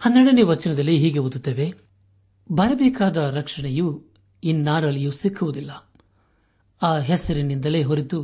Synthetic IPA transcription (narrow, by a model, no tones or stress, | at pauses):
hɐnd̪ɾɛɽɐneʋɐt͡ʃɐnɐd̪ɐlːiɦiːɡeud̪ut̪ːeːʋe | bʱɐɾɐbɛːkaːd̪ɐɾɐkʂɐɳeju | inːaːɾɐlːijusikʰːuʋud̪ilːɐ | aːɦɛsɐɾinind̪ɐle̞ːɦoɾit̪u